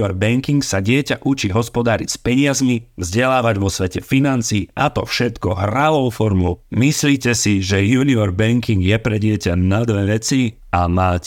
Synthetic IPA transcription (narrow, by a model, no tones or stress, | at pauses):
ɔɾbɛŋkiŋksaɟɪɛcaʔut͡ʃiɦɔspɔd̪aːɾispɛɲɪazmivzɟɛlaːʋaɟʋɔsʋɛcɛfinant͡siːʔat̪ɔfʃɛt̪kɔɦɾaʋɔʊfɔɾmɔʊmisliːcɛsiʒɛjuːniɔɾbɛŋkiŋɡjɛpɾɛɟɪɛcanad̪ʋɛʋɛt͡si | amaːc